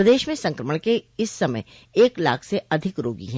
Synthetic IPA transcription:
ɾəd̪eːʃmẽsɐ̃ŋkɾəməɽ̃keɪsːɐmə̰j | eːkla̰ːkʰseɐd̪ʱɪkɾo̰ːɡḭɦɛ̃

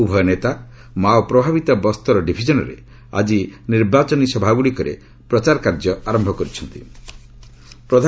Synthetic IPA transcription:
ubʱɔjɔnet̪a | mawpɾɔbʱabit̪abɔst̪ɔɾɔɖibʱid͡ʒɔnɔɾḛ | a̰d͡ʒiniɾbat͡ʃɔnisɔbʱaɡuɽikɔɾḛ | pɾɔt͡ʃaɾkaɾd͡ʒɔaɾɔmbʱɔkɔɾit͡ʃʰɔnt̪ḭ | pɾɔd̪ʱa

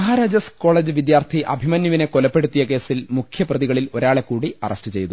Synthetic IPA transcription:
ɐɦaːɾaːd͡ʑɐsko̞ːɭeːd͡ʑɨʋid̪jaːrt̪ʰiʔɐ̰bʱimɐnjɐʋine̞ko̞lɐpːe̞ɽut̪ːijɐke̞ːsilmukʰjɐprɐðiɣɐɭilo̞ɾaːɭe̞kːuːɽiɐ̰rʔɐstɨt͡ɕe̞jt̪u

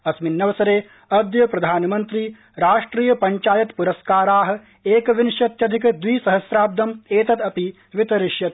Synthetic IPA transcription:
ɐsminːɐʋɐsɐɾeː | ɐd̪jɐpɾɐd̪ʱaːnɐmɐnt̪ɾi | ɾaːʂʈɾiːjɐpɐɲt͡ʃaːjɐt̪puɾɐskaːɾaːɦɐ̆ | eːkɐʋinʃjɐt̪jɐd̪ʱikɐd̪ʋiːsɐɦɐsɾaːb̚d̪ɐmeːt̪ɐt̪ɐpi | ʋit̪ɐɾɪʃjɐt̪̚

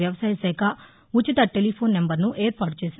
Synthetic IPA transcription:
jɐʋɐsaːjɐsɛːkɐ | ut͡ʃit̪ɐʈelipʰo̞ːnːembɐɾnuʔeːɾpaːɾʈ̚t͡ʃeːsin

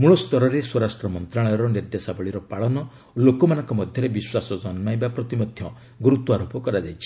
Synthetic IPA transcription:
muɭɔst̪ɔɾɔɾeswɔɾasʈɾɔmɔnt̪ɾaɭɔjɔɾɔniɾd̪esabɔɭiɾɔpaɭɔnɔ | olokɔmanɔŋkɔmɔd̪ʱjɔɾebiswasɔd͡ʒɔnmajbapɾɔt̪imɔd̪ʱjɔ | ɡuɾut̪ɔaɾopɔkɔɾad͡ʒajt͡ʃʰi̥

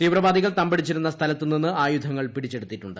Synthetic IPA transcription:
t̪iːʋrɐʋaːd̪iɣɐɭt̪ɐmbɐɽit͡ɕːiɾunːɐst̪ʰɐlɐt̪ːɨninːɨaːjud̪ʱɐŋːɐɭpiɽit͡ɕːe̞ɽut̪ːiʈːuɳɖɨ

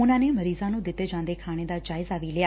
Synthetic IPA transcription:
ʊnãːneːməɾiːzãːnũːd̪ɪt̪ːeːd͡ʒãːnd̪eːkʰaːɽ̃eːd̪aːd͡ʒaːɪzaːʋiːlɪaː

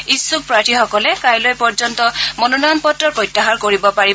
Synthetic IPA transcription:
isːuk̚pɹaɹtixɔkɔlɛkajlojpɔɹd͡ʒɔntɔmɔnɔnanpɔtɹɔpɹɔjtːaɦaɹkoɹibɔpai

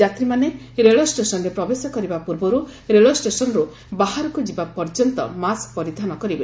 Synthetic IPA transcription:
d͡ʒat̪ɾimane | ɾeɭɔsʈesɔnɾepɾɔbesɔkɔɾibapuɾbɔɾuɾeɭɔsʈesɔnɔɾu | baɦaɾɔkud͡ʒibapɔɾd͡ʒɔnt̪ɔ̰maskpɔɾid̪ʱanɔkɔɾibe

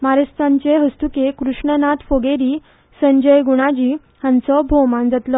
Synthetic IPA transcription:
maɾəst̪ãɲt͡ɕeɦəst̪ukekɾuʂɳənat̪foɡeɾi | səɲd͡ʑəjɡuɽ̃ad͡ʑiː | hãnt͡sɔbʱomãnd͡zat̪lɔ

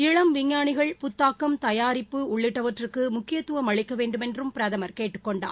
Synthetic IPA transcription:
ɪɻɐmʋɪŋːaːɳɪɣɐɭpʊt̪ːaːkːɐmt̪ɐjaːɾɪpːɯʊɭːɪʈːɐʋɐʈrɯkːɯmʊkːɪjɐt̪ːɯʋɐmɐɭɪkːɐʋeːɳɖɯmɛndrɯmpɪɾɐðɐmɐɾkeːʈːɯ̥kːɔɳɖa̰ː

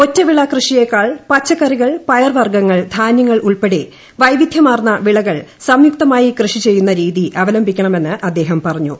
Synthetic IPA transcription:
o̞tːɐʋiɭakrɨʂijekːaːɭpɐt͡ɕːɐkɐriɣɐɭpɐjɐrʋɐrɡɐŋːɐɭd̪ʱaːnjɐŋːɐɭuɭpe̞ɽe | ʋɐjʋid̪ʱjɐmaːrnːɐʋiɭɐɣɐɭsɐmjuk̚t̪ɐmaːjikrɨʂit͡ɕe̞jːunːɐɾiːðiʔɐʋɐlɐmbʱikʲːɐɳɐme̞nːɨʔɐd̪ːe̞ːɦɐmpɐrɐɲːṵ

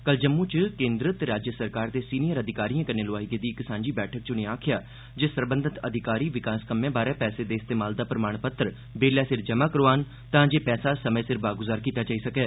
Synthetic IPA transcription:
kəld͡ʒəmːũt͡ʃkẽːnd̪ɾɪt̪ɾaːd͡ʒjəsəɾkaːɾd̪eːsiːnijəɾəd̪ʱɪkaːɾijãːkəɾneːlʊaːiɡed̪iːksãːɲd͡ʒiːbɛːʈʰək̚t͡ʃʊnẽaːkʰɪjaː | d͡ʒeːsəɾbə̃nd̪ət̪əd̪ʱɪkaːɾiːʋɪkaːskəmːẽːbaːɾɛːpɛːsed̪eːɪst̪eːmaːld̪aːpɾəmaːɳpət̪ɾ | beːljaːsɪɾd͡ʒəmaːkəɾoaːn | t̪ãːd͡ʒeːpɛːsaːsəməesɪɾbaːɡʊzaːɾkiːt̪aːt͡ʃaːiːsəkɛː

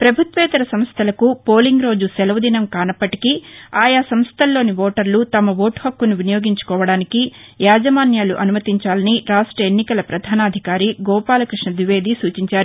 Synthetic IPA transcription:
pɾɐbʱut̪ʋɛːt̪ɐɾɐsɐmst̪ʰɐlɐkupo̞ːliŋɡɾo̞ːd͡ʒusɛlɐʋɐd̪inɐmkaːnɐpːɐʈikiaːjaːsɐmst̪ʰɐlːo̞ːniʋɔːʈɐɾlut̪ɐmɐʋoːʈhɐkːunuʋinɐjo̞ːɡiɲt͡ʃu̥kɔːʋɐɽaːnikijaːd͡ʒɐmaːnjaːluʔɐnumɐt̪iɲt͡ʃaːlɐniɾaːʂʈɾɐenːikɐlɐpɾɐd̪ʱaːnaːd̪ʱikaːɾiɡɔːpaːlɐkɾiʂɳɐd̪ʋiʋe̞ːd̪isuːt͡ʃiɲt͡ʃaːɾu

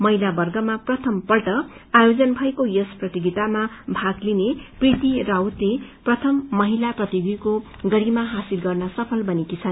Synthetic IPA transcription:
mʌɦilabʌrɡʌmaprʌt̪ʰʌmpʌlʈʌajod͡zʌnbʱʌekojʌsprʌt̪iɡit̪amabʱaɡlineprit̪irawt̪leprʌt̪ʰʌmːʌɦilaprʌt̪iɡiko | ɡʌɾimaɦasilɡʌrnʌsʌpʰʌlbʌnikisʰan

